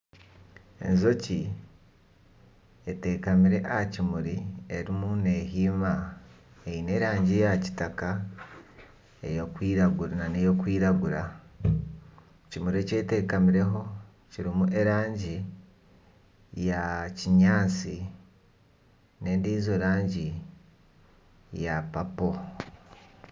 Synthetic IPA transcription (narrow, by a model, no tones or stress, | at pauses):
e̞̰nzo̞ci | ete̞ːkamiɾe̞ʔahacimuɾie̞ɾimuneɦiːma | eine̞ɾaːɲɟijaci̥taka | ḛjokwiːɾaɡuɾnanejo̞kwiːɾaɡuɾa | cimuɾiece̞ːte̞ːkamiɾe̞ɦo̞ | ciɾimuʔe̞ɾaːɲɟi | jaciɲaːt͡si | ne̞ːndiːzoɾaːɲɟi | japapo